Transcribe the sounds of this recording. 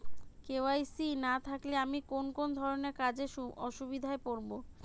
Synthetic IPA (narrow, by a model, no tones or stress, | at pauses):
keoajsinat̪ʰakleamikonkond̪ʱɔɾoneɾkad͡ʑeʃuɔʃubid̪ʱaepoɾbo